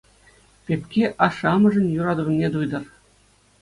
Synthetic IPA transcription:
pʲepʲkʲeʔɑʂɑmɤ̆ʐɤ̆nʲjuɾɑd̪ɤnʲed̪ujd̪ɤ̆r

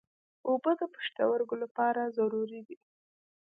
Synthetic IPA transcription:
obəd̪əpə̥ʂt̪a̰waɾɡolapɑɾazaɾuɾid̪i

